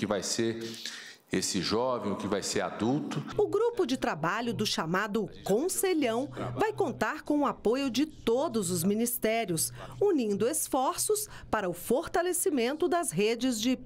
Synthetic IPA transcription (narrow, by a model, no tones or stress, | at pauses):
kɪvajseɾ | esɪʒɔvẽj̃ʊkɪvajseɾa̰d̪uwt̪ʊʊɡɾupʊd͡ʒɪt̪ɾabaʎʊd̪ʊʃamad̪ʊkõseʎɐ̃w̃vajkõnt̪aɾkõw̃ʊapojʊd͡ʒɪt̪od̪ʊzʊzmĩnist̪ɛɾjʊsunĩnd̪ʊesfɔɾsʊs | paɾɐʊfoɾt̪alesimẽnt̪ʊd̪ɐzɦed͡ʒɪzd͡ʒɪ